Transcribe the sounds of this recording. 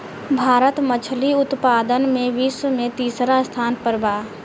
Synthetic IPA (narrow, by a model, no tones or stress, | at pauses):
bʱaːɾət̪mət͡ʃʰliʊt̪paːd̪ənmẽʋiːsəmẽt̪iːsɾast̪ʰaːnpəɾbaː